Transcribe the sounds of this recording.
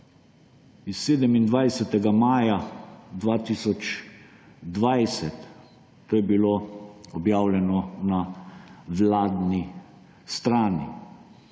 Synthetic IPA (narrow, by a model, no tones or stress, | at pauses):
isːeːd̪ɛmind̪ʋajsɛt̪ɛɡamaːjad̪ʋaːt̪isɔt͡ʃ | d̪ʋajsɛt̪ː | oːjɛbiloːɔbjaːwlʲɛnɔna | ʋlaːd̪ni | st̪ɾaːnḭ